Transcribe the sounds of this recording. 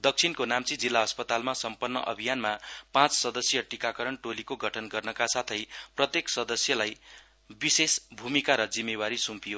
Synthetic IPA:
d̪ʌk̚t͡sʰinkonamt͡sid͡zilːaʌspʌt̪almasʌmpʌnːʌ̰ʔʌ̰bʱijanmapãt͡ssʌd̪ʌsjʌʈikakʌɾʌnʈolikoɡʱʌʈʰʌnɡʌrnʌkasat̪ʰʌjprʌt̪jeksʌd̪ʌsjʌlaj | bisesbʱumikaɾʌd͡zimːewaɾisumpijo

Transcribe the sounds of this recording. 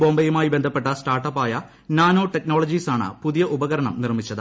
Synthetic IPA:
bo̞ːmbɐjumaːjibend̪ʱɐpːe̞ʈːɐsʈaːrʈːɐpːaːjɐ | naːno̞ːʈekno̞ːɭɐd͡ʑisaːɳɨ̰puðijɐʔubɐɣɐɾɐɳɐmnirmit͡ɕːɐðɨ̰

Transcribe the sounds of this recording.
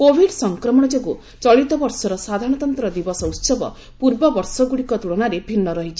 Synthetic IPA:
kobʱiɽsɔŋkɾɔmɔ̃ɔd͡ʒeku | t͡ʃɔɭit̪ɔbɔɾsɔɾɔsad̪ʱaɾɽ̃ɔt̪ɔnt̪ɾɔd̪ibɔsɔwtsɔbɔ̰ | puɾbɔbɔɾsɔɡuɽikɔt̪uɭɔnaɾebʱinːɔɾɔɦit͡ʃʰi

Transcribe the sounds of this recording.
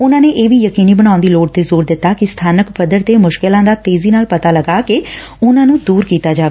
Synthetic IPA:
ʊnãːneːʔeːʋiːjəkiːniːbəɽ̃aːʊnd̪iːloːʈt̪eːzoːɾd̪ɪt̪ːaːkɪst̪ʰaːnəkpəd̪əɾt̪eːmʊʃkɪlãːd̪aːt̪eːziːnaːlpət̪aːləɡaːke | ʊnãːnũːd̪uːɾkiːt̪aːd͡ʒaːʋeː

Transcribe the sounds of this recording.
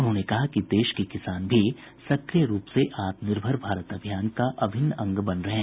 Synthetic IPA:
ʊnɦõːnekɐɦakid̪eːʃkikɪsaːnbʱi | sɐkɾijəɾuːpseʔaːt̪nɪɾbʱəɾbʱaːɾət̪ɐbʱjaːnkaʔɐbʱɪnːɐ̃ŋɡbɐnɾɐɦɛ̃ː

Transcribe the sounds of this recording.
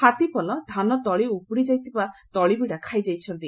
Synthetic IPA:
at̪ipɔlɔd̪ʱanɔd̪ɔɭiupuɽid͡ʒajt̪ibad̪̥ɔɭibiɽakʰajd͡ʒajt͡ʃʰɔnt̪i

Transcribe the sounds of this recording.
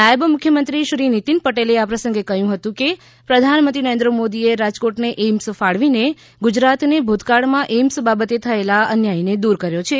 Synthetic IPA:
najəbmʊkʰjəmənt̪ɾiʃɾinit̪inpəʈeleapɾəsə̃ŋɡekəɦjũɦət̪ũke | pɾəd̪ʱanmənt̪inəɾend̪ɾəmod̪ieɾad͡ʒkoʈneʔemsfaɽʋine | ɡud͡ʒɾat̪nebʱod̪kaɭmãʔemsbabət̪et̪ʰəelaənjained̪uɾkəɾjot͡ʃʰe

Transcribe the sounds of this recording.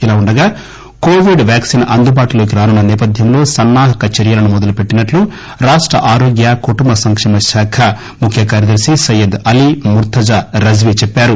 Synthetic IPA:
ilaːuɳɖɐɡaː | koːʋiɖʋjaːksiːnɐnd̪ubaːʈulo̞ːk̬iɾaːnunːɐnɛːpɐd̪ʱjɐmlo̞ːsɐnːaːɦɐkɐt͡ʃɐɾjɐlɐnumɔd̪ɐlupeʈːinɐʈlu | ɾaːʂʈɾɐ̰ʔaːɾoːɡjakuʈumbɐsɐŋkʂɛːmɐʃaːkʰɐ | mukʰjɐkaːɾjɐd̪ɐɾsisɐjɐd̪ɐlimuɾt̪ɐd͡ʒaɾɐd͡ʒʋit͡ʃɛpːaːɾu

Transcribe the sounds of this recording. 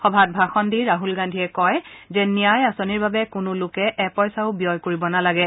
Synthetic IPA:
xɔbʱat̚bʱaxɔndiɹaɦulɡandʱiɛkɔjzɛnijajasoniɹbabɛkʊnʊlʊkɛʔɛpɔjsaʊbijɔjkoɹibɔnalaɡɛ

